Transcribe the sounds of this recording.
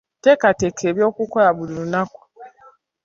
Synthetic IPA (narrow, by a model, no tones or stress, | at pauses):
tɛkatekʰebiɔkukɔjabuduunakʷɔ̥